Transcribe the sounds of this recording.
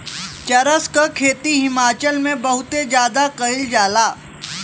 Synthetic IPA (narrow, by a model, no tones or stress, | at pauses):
t͡ʃɐɾəskakʰeːt̪iɦɪmaːt͡ʃəlmẽbɐɦʊt̪ed͡ʒjaːd̪akɐɪld͡ʒaːlaː